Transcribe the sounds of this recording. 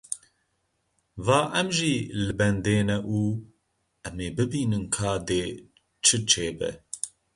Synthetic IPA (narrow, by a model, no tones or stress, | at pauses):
vaːʔɛmʒilɨbɛnd̪eːnɛʔuː | ɛmeːbɨbiːnɨnkʰaːd̪eː | t͡ʃʰɨt͡ʃʰeːbɛ̰